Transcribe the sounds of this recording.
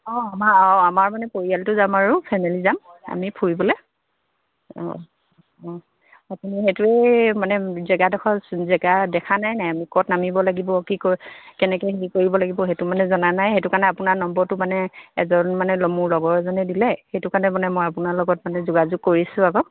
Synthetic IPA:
ɔamaɔamaɹmanɛpoɹialtʊzamaɹupʰajmɛlizama̰mipʰuɹibɔlɛ | ɔ̰ | ɔ | atumiɦetʊɛmanɛzɛɡadɔkʰɔzɛɡadɛkʰanajnajamikɔtnamibɔlaɡibɔkikokɛnɛkɔjɦekoɹibɔlaɡibɔxetʊmanɛzɔnanajxetʊkaɹnɛapʊnanɔmbɔɹtʊmanɛɛzɔnmanɛlɔmuɹlɔɡɔɹɛzɔnɛdilɛxetʊkaɹnɛmanɛmɔjapʊnaɹlɔɡɔt̚manɛzuɡazʊɡ̚kːoɹisʊ̃aɡɔ

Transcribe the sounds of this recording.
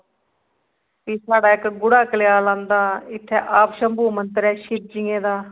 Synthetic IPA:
piːsaːɖaːɪkɡʊɽaːkəlɪjaːlãːnd̪aːɪt̪ʰːɛːʔaːpʃəmbuːmənt̪əɾɛːʃɪɾ̚d͡ʒɪːẽːd̪aː

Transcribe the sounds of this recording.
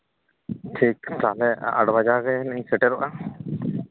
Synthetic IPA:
ʈʰik̚t̪alɛa̰ɽbad͡ʒaɡɛnɛɲsɛʈɛɾɔʔa

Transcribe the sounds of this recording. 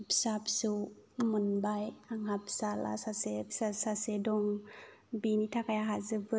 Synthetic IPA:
psap̚suamunbajaŋhapsala̰sasesasasedɔŋ | binitʰakajaɦazɯbɯ

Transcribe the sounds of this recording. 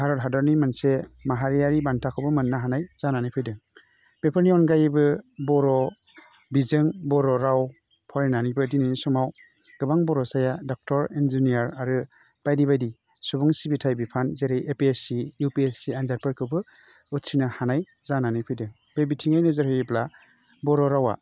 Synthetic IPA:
haɾɔtɦadɔɾnimansemaɦaɾijaɾibantʰakʰɔwbɯmɯnːaɦanajz̥ananɯpʰɯjdɯŋ | b̥epʰɯɾniɔnɡajɯbɯbɔɾɔ | bizɯŋbɔɾɔɾaw | pʰɔɾenanibɯdinɯnisɔmaw | ɡ̥ɯbaŋbɔɾɔsajadɔk̚tɔɾinzinijaɾaɾɯ | b̥ajdiβajdi | subɔŋsibitʰajbipʰanzeɾejʔepiesijupiesianzaɾ̚pɯɾkʰɯwbɯ | utsinahanaj | zananɯjpʰɯjdɯŋ | b̥ebitʰiŋajnɯzɯɾhɯjipla | bɔɾɔɾawa̰

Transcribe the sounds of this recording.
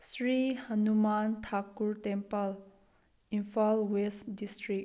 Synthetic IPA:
sɹihənumant̪ʰakːuɹtɛ̃mpəl | ĩnfalwesdisʈɹik̚

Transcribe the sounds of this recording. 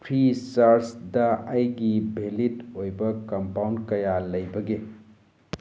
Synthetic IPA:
pʰɾisɐɾsdɐɐjɡibʱelitojbɐkɐmpawnkɐjalɐjbɐɡe

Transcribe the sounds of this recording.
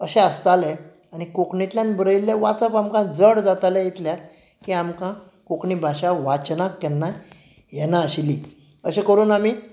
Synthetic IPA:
əɕɛ̃əst̪alɛ | añikokɳit̪ljãnbɾəilːeʋat͡səpamkãd͡zəɽd͡zat̪alɛ̃jit̪lja | kiamkã | kokɳibʱaɕaʋat͡ɕnakːɛnːa | jɛnaəɕili | əɕẽkəɾuːnami

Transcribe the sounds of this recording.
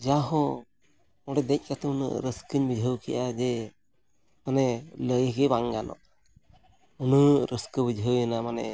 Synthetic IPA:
d͡ʒaɦɔ | mɔɖɛd̪ɛc̚ˀkat̪ɛunə̰ʔɾəskəɲbid͡ʒʱəwkɛ̰ʔad͡ʒɛ | manɛləjɡɛbaŋɡanɔ̰ʔ | unəʔɾəskəbid͡ʒʱəwjanamanɛ

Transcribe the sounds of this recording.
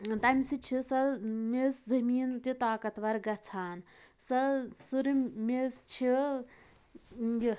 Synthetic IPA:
t̪ɐmʲsit͡ʃʰisɐmeszɐmiːnt̪it̪aːkɐt̪ʋɐɾɡɐt͡sʰaːn | sɐsuɾimest͡ʃʰi | ɡi

